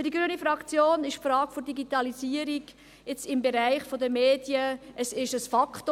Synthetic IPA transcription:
d̥iɡɾyənifɾɑkt͡sjoːnɪʃfɾɑːkfodiɡitɑliziːəɾiɡ | ɪt͡sɪmbɛɾæɪχfɔd̪əmeːd̥jəʔəsɪʃəsfɑkχt

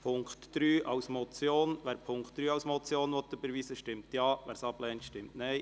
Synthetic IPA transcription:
pʰʊŋktd̥ɾyːʔɑwsmɔt͡sjoːnʋæːɾpʰʊŋkχt̚d̥̪ɾyːɑwsmɔt͡sjoːnʋɔt̪ːəbəɾʋiːsəʃtɪmtjɑːʋæːɾsɑb̥lɛːntʃtɪmtnɛɪ

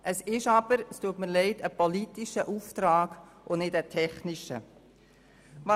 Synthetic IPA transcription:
ʔəsɪʃɑb̥əɾstuətməlɛɪdəpɔlitiʃəʔuːftɾaːɡ̥ | ʔʊnɪdətʰɛχniʃə̰ | vɑ

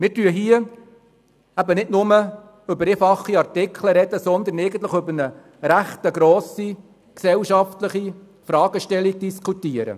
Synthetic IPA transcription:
mɪːɾtyəɦiə | æbənɪdnʊmə | ʏbəɾefɑχːiɑrtɪkʰləɾɛd̪̥əsɔnd̪ənɛɪɡən̩t̪ləχɵbənə | ɾæχt̪əɡɾɔːsi | ksɛwʃɑft̪ləχi | fɾɑːɡ̥əʃtɛliɡ̚d̥̪iskʰut̪iəɾə̰

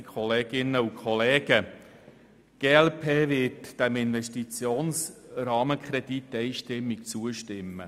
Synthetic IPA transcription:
kʰɔleːɡ̥ɪnəukʰχɔleːɡ̥ə | ɡ̥eːɛlpʰeːʋɪtd̥ɛmɪnʋɛstit͡sjoːnsɾɑːməkʰɾɛd̥itːɛjʃtɪmːikt͡suəʃtɪmːə̰

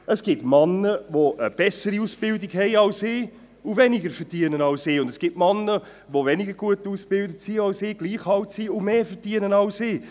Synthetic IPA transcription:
əsɡ̥ɪtmɑnəvoʔəb̥ɛsəɾiuːsb̥ɪldɪkhɛɪɑlsɪː | ʊvɛnɪɡəfəʁd̥iənənɑʊsɪːʊndəsɡ̥iːtmɑnːə | ʋovɛnɪɡəɾɡuətuːsb̥ɪldətsiɑlsɪːɡ̥liːχhɑltsiʊmeːfəʁd̥iənənɑʊsɪː

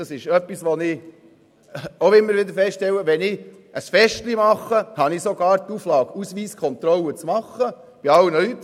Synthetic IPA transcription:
ɑsɪʃœpːisʋɔnɪ | oɪmːəɾʋɪd̪əɾfɛstʃtɛlːəʋɛnɪ | əsfɛʃtlimɑχːəhɑnɪsɔɡɑːɾt̪uflɑːkusʋiːskʰχɔnt̪ɾɔlːət͡smɑχːə | b̥iɑlnəlyt̪ː

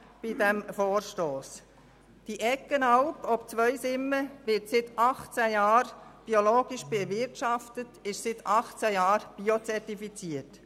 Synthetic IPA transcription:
b̥idɛmfoːɾʃtoːs | d̥iʔɛkːənɑʊpɔpt͡sʋœʏsɪmːəʋɪtsɪt̪ɑχt͡sæjɑːɾb̥ioloːɡ̥iʃb̥ɛvɪɾtʃɑftətɪʃsɪt̪ʰɑχt͡sæjɑːɾb̥iot͡sɛrtifit͡siət

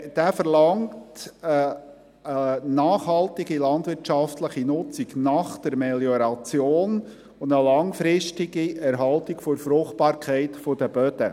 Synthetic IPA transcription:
d̥æːfəɾlɑŋtə | ənɑːχhɑltɪɡilɑnd̪ʋɪɾt͡ʃɑftləχinʊt͡siɡnɑχd̥əɾmɛljɔɾɑt͡sjoːn | ʊndəlɑŋfɾɪʃtɪɡiɛɾɦɑltikfoɾfɾʊχt̚pɑːɾkʰɛɪtfod̥̪əb̥œd̥̪ə

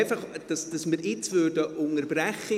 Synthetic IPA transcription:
ɪfɑχd̥ɑsd̥ɑsməɾɪt͡svøːrdəʔʊŋəɾbɾɛχə

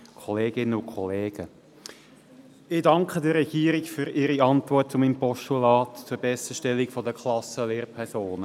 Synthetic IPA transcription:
kʰɔleːɡɪnəʊkʰɔleːɡ̥ə | ɪdɑŋkχədəɾɛɡ̥iːɾikfyɾɪɾiɑntʋɔrtt͡sʊmiːmpɔʃtulɑːtt͡suːɾbɛsəʃtɛlːikfɔdəkʰlɑsəleːɾpʰɛɾsoːnə

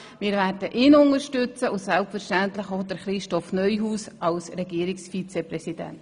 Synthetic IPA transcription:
mɪːɾvæːɾdəʔɪːnʊŋəɾʃtʏt͡səʊsɛlpfəɾʃtæntləχoʊdəɾχɾɪʃtɔfnœʏɦuːsɑlsɾɛɡiːɾɪksfit͡seprɛsid̥ɛ̰nt

